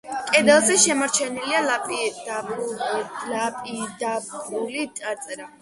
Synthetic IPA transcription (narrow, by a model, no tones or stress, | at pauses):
kʼɛd̪ɛlˠzɛʃɛmaɾt͡ʃʰɛnilialapʼid̪ab | lapʼid̪abulit̪ʼaɾt̪sʼɛɾa